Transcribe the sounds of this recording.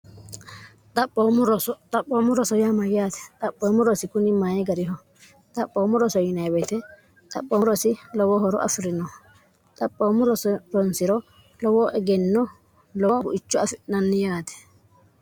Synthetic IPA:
t̪ʼɐpʼːoːmʊɾɔsɔt̪ʼɐpʼːoːmʊɾɔsɔjamɐjaːt̪ɛ̥t̪ʼɐpːoːmʊɾɔsɪkʊnɪmaːjɛɡɐɾɪɦɔ | t̪ʼɐpʼːoːmʊɾɔsɔjɪnɐjwɛt̪ɛ | t̪ʼɐ̰pʼːoɾɔsɪlɔwɔhɔɾɔ̰ʔɐ̰fɪɾɪnɔ | t̪ʼɐpʼːoːmʊɾɔsɾɔnsɪɾɔ | lɔwɔʔɛɡɛnːɔ | lɔɡʊʔɪt͡ʃːʊɐfɪnɐnːɪjaːt̪ɛ̥

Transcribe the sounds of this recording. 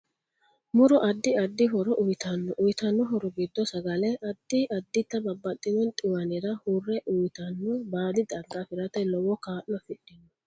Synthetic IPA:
mʊɾɔʔɐd̪ːɪɐd̪ːɪɦɔɾɔʔʊjt̪ɐnːɔʔʊjt̪ɐnːɔɦɔɾɔɡɪd̪ːɔsɐɡɐlɛʔɐd̪ːɪʔɐd̪ːɪt̪ːɐbɐbːɐt̪ʼːɪnɔnt̪ʼɪwɐnɪɾɐhurːɛʔʊjt̪ɐnːɔbaːd̪ɪd̪ɐɡːafɪɾɐt̪ɛlɔwɔkaːʔːɔfɪɗːɪnɔ

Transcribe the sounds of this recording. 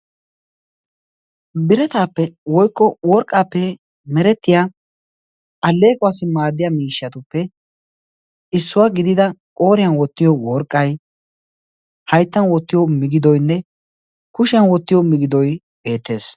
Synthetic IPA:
bɪɾɛt̪aːpːɛwɔjkːɔwɔɾkʼːaːpːɛ | mɛɾɛt̪ːɪjaː | ʔɐlːe̞ːkʼʊasɪmaːd̪ːɪjamiːʃːɐt̪ʊpːɛ | ɪsːʊwaːɡɪd̪ɪd̪ɐkʼoːɾɪjɐnwɔt̪ːɪjɔwɔɾkʼːɐj | hɐjt̪ːɐnwɔt̪ːɪjɔmɪɡɪd̪ɔjnːɛ | kʊʃɪɐnwɔt̪ːɪjɔmɪɡɪd̪ɔj | b̥e̞ːt̪ːe̞ːs

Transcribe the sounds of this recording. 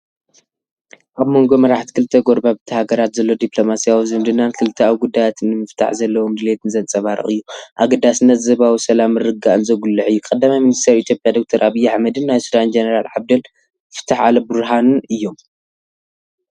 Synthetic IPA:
ʔaβmo̞ŋɡo̞mɐɾaħt̪ʰi̥kʰɨlt̪ʰːɐɡo̞ɾbabɨt̪ʰɐhaɡɐɾat̪zɐlːo̞d̪ipʼlo̞masijawizɨmd̪ɨnankʰɨlɨt̪ʰːɐawiɡud̪ːajat̪ʰɨnːɨmɨft̪ʰa̰ħzɐlːɐwomd̪ɨlet̪ʰɨnzɐnt͡sʼɐβaɾɨ̰χʼɨjːuʔaɡɐd̪ːasɨnːɐt̪zɐβawisɐlamːɨɾɨɡaʔɨnzɐɡulːɨʕɨjːukʼɐd̪ːamajminist̪ʰɐɾit̪ʰijo̞pʼjad̪o̞k̚t̪ʰɐɾʔaβijaħmɐd̪ɨnːajsud̪and͡ʒɐnɐɾalʕabd̪ɐl | fɨ̥t̪ʰːaħalɐbɨɾɦanɨnɨjːo̞m

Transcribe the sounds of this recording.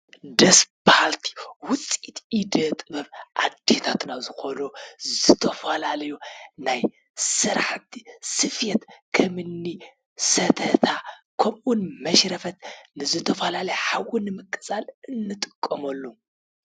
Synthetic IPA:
d̪ɐsb̥ahalt̪ʰi̥wʊt͡sʼit̪id̪ɐt̪ʼɨβɐβʔa̰d̪et̪ʰat̪nazɨxonozɨt̪ʰɐfɐlalɐjunaj | sɨɾaħt̪ʰi̥sɨfjet̪kʰɐmɨnːi | sɐt̪ʰɐt̪ʰakʰɐmʔunmɐʃɾɐfɐt̪nɨzɨt̪ʰɐfɐlalɐjħawunɨmɨkʼːɨt͡sʼalɨnːɨt̪ʼɨkʼːɐmɐlːu

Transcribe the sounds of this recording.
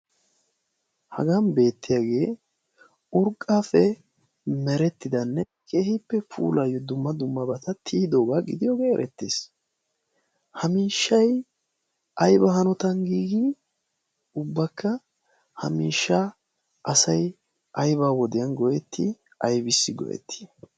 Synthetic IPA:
hɐ̰ɡanbe̞ːt̪ːɪjaːɡe̞ː | ʊɾkʼːaːfɛ | mɛɾɛt̪ːɪd̪ɐnːɛ | kʰʼeːhɪpːɛpʰṵːlɐjːɔd̪ʊmːɐd̪ʊmːɐbɐt̪ɐt̪ʰiːd̪o̞ːɡaːɡɪd̪ɪjoːɡeːɛ̰ɾʔɛt̪ːḛːs | hɐmiːʃːɐj | ʔɐjbɐɦɐnɔt̪ɐnɡiːɡɪ | ʊbːɐkːɐ | hɐ̰miːʃːɐ | ʔɐsɐj | ʔɐjbaːwɔd̪ɪjɐnɡɔʔɛt̪ːɪ | ɐjbɪsːɪɡɔ̰ʔɛ̰t̪ːi̥

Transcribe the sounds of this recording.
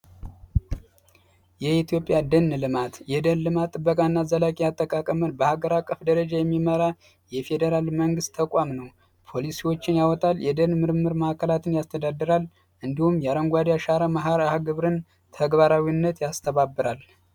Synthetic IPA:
jɛit̪ʰijo̞pʼːjad̪ənːlɨmat̪jɛd̪ənlɨmat̪ʼːɨbːəkʼanːazəlakʼiat̪ʼːəkʼakʼəmənbəhaɡəɾakʼːəfd̪əɾəd͡ʒajɛmːiməɾa | jɛfe̞d̪əɾalməŋɡɨst̪ʰːəkʼamnəw | pʰo̞lisiwo̞t͡ʃːɪnjawɔt̪ʼaljɛd̪ənmɨɾmɨɾmahkʰəlat̪ʰɨnjast̪ʰəd̪ad̪ːɨɾal | ʔɨnd̪ihumjaɾəŋɡʷad̪jaʃaɾamaɦaɾahaɡɨβɾɨn | t̪ʰəɡβaɾawinːət̪jast̪ʰəβabːɨɾal

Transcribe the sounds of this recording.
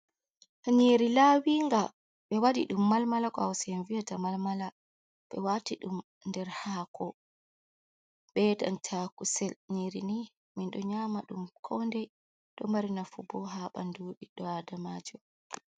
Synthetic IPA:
ɲiːɾilawiŋɡa | ɓɛwadḭɗumːalmalakɔawsɛnvijatamalmala | ɓɛ̰watiɗum | ndɛɾhaːkʰɔ | ɓɛda̰ntʰakusɛlɲiːɾini | minɗɔɲaːmaɗumkʰɔndɛ | ɗɔmaɾinafubɔɦaɓa̰ndoːɗiɗɔadamad͡ʒɔ

